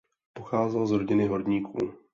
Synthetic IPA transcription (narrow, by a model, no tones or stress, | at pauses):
poxaːzɛlzɾo̞ɟɪnɪɦo̞dɲiːkʰṵː